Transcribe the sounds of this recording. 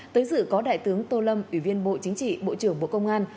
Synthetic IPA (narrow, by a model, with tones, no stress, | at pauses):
t̪əː˨˦jzɨ̰˧˨kɔ˨˦ɗa̰ː˧˨jt̪ɨ˨˦əŋt̪o˧lə˧mʔwi˧˩vi˧ənɓo̰˧˨t͡ɕï˨˦ŋ̟t͡ɕḭ˧˨ɓo̰˧˨t͡ɕɨ˨˩əŋɓo̰˧˨kə˧wŋ͡mʔaː˧n